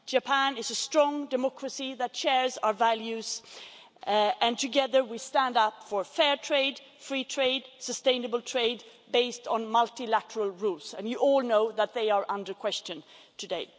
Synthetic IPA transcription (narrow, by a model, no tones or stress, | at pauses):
d̥d͡ʒɨpʰæ̃nɪzəstɹ̥ɔ̃ŋdɨmɑkɹəsiðɨtʃɛɹzaʊə˞vælˠjʉz̥ | ɨ̃ntʰɨɡɛðə˞wistæ̃ndʌpfə˞fɛɹtʰɹ̥eɪd | fɹitʰɹ̥eɪd̥səstẽɪ̃nəbəl̩ˠtʰɹ̥eɪd | beɪstn̩mʌlˠtilæɾəɹəl̩ˠɹulˠzɨ̃njɨʔɔlˠnoʊðət̪̚ðeɪə˞ʔʌ̃ndə˞kʰw̥ɛst͡ʃɨ̃ntʰɨdeɪ